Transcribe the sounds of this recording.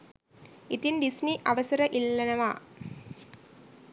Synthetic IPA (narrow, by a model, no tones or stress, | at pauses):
it̪inɖisniʔɐʋɐsɐɾɐʔilːɐnɐʋa̰ː